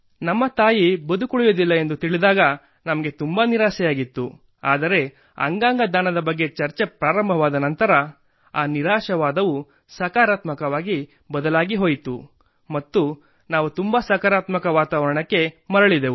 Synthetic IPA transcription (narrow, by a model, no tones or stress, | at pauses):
nɐmːɐt̪aːjibɐd̪ukuɭujod̪ilːɐe̞nd̪ut̪iɭid̪aːɡɐ | nɐmɐɡe̞t̪umbaniɾaːʃɛjaːɡit̪ːṵ | a̰ːd̪ɐɾe̞ | ɐ̰ŋɡaːŋɡɐd̪ʱaːnɐd̪ɐbɐɡːe̞t͡ʃɐɾt͡ʃe̞pɾaːɾɐmbʱɐʋaːd̪ɐnɐnt̪ɐɾɐ | aːniɾaːʃɐʋaːd̪ɐʋu | sɐkaːɾaːt̪mɐkɐʋaːɡi | bɐd̪ɐlaːɡiɦo̞ːjt̪u | mɐt̪ːu | naːʋut̪umbɐsɐkaɾaːt̪mɐkɐʋaːt̪aːʋɐɾɐɳɐkːe̞mɐɾɐɭid̪eu